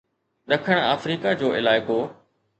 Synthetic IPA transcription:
ɗɐkʰəɽ̃a̰ːfɾiːkad͡ʑoːɪlaːɪko

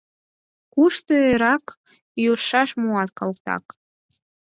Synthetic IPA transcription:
kuʃt̪øeɾɑk | joʃɑʃmuɑt̪̚kɑlkt̪ɑ̰k

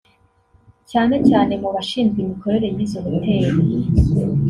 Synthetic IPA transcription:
caːne̞caːne̞muβaʃiːnzɡwimiko̞ɾe̞ɾe̞miːzoβutʰe̞ːɾe

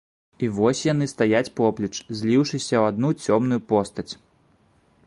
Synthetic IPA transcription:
ivɔsʲjan̪ɨst̪ajat͡sʲpɔplʲit͡ʂzʲlʲiwʂɨsʲɐwad̪̚nut͡sʲɔmnujupɔst̪ɐt͡sʲ

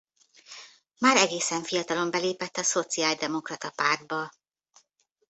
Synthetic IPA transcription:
maːɾɛɡeːsɛɱfijɒt̪ɒlo̞mbɛleːpɛt̪ːɒso̞t̪siaːld̪ɛmo̞krɒt̪ɒpard̪̚bɒ

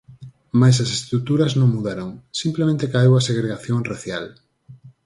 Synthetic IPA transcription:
majs̬ɐsest̪t̪ɾut̪uɾɐznõŋmuðaɾoŋsimplemẽnt̪ekajewɐseɣɾeɣaθjoŋraθjal

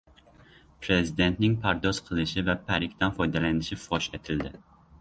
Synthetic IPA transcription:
pʰɾezid̪e̞nt̪nɪŋpʰæɾd̪ɔz̥qʰəlˠɪʃɪvɛpʰæɾɪkʲt̪ɛnfɔjd̪ɛlænɪʃɪfɑʃet̪ʰɪld̪ɪ

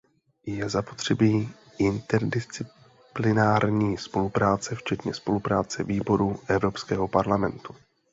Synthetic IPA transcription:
jɛzapo̞t̪r̝̥ɛbiː | ʔɪnt̪ɛɾdɪst͡sɪ | plɪnaːɾɲiːspo̞lupɾaːt͡sɛft͡ʃɛt̪ɲɛspo̞lupɾaːt͡sɛ̰viːbo̞ɾuʔɛvɾo̞pskɛːɦo̞paɾlamɛnt̪u̥

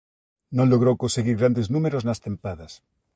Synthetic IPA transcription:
nõnloɣ̞ɾowkonseɣiɾɣɾand̪eznũmeɾoznast̪ẽmpaðas

